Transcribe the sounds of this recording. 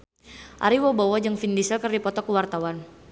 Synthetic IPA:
ʔa̰ɾiwɔbawad͡ʒɨŋfindisəlkərdipɔt̪ɔkəwart̪awan

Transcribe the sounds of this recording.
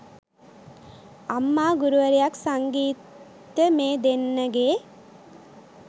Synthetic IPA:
amːaːɡuɾuʋəɾijaksaŋɡiːt̪ː | əmeːd̪enːəɡeː

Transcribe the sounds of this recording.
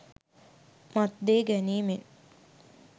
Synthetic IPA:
mat̪d̪eːɡæniːmen

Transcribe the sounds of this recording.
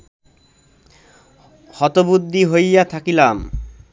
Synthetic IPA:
hɔt̪obud̪ʱːiɦojat̪ʰakilam

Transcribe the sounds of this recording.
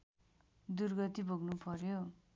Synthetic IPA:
d̪urɡʌt̪ibʱoɡnupʌrjo

